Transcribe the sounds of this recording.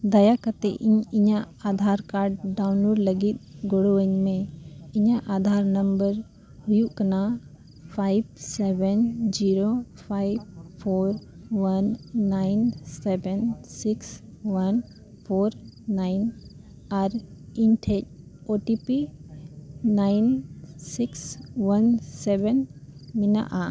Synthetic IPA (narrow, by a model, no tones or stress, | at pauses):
d̪ɐjakət̪ḛʔiɲɪɲa | ad̪ʱaːɾkaːɾɖ̚ɖawnloːɖləɡit̪̚ɡoɽoəɲmẽɪɲaʔad̪ʱaːɾnəmbəɾ | hujuʔkɐna | pʰajbsɛbənd͡ʒiɾopʰaib̚pʰoːɾʋənːajnsɛbɛnsiks | wən | pʰoːɾnajn | aɾiɲʈʰec̚ | oʈipi | najnsikswənsɛbɛnmina̰ʔa